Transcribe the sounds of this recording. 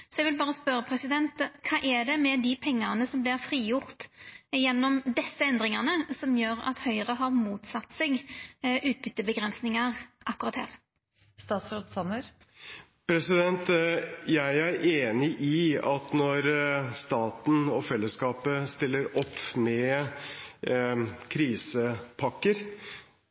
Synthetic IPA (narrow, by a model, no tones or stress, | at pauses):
sɔɛɡʋɪlbɑːʁəspœɾəpʰɾɛsɪd̪ɛnt̪kʰɑːʔɛd̪ɛmɛd̪ɪpʰɛŋːɑnəsɔmblɪʁfɾiːjʊʁt̪jɛnːɔmd̪ɛsːəɛnd̪ʁɪŋɑʁnəsɔmjøːɾɑ̰t̪hœʏʁəɦɑʁmuːt̪sɑt̪ːseɡʔʉːt̪̚bʏt̪ːəbəɡʁɛnsnɪŋɑʁʔɑkːʊɾɑt̪hæ̰ːʁ | st̪ɑːt̪sɾɔt̪sɑnəɾ | pʰɾɛsɪd̪ɛnt̪jæɪæɾʔeːnɪʔɪɑt̪nɔɾst̪ɑːt̪n̩ɔfɛlːəskɑːpəst̪ɪlːəɾɔpːmɛ | kʰɾiːsəpʰɑkːəɾ